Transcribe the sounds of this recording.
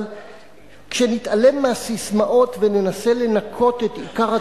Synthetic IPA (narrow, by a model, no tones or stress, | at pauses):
l | kʃe̞nit̪ale̞mːeasismaʔo̞t̪vene̞nase̞le̞nakʰo̞t̪e̞t̪ikaʁa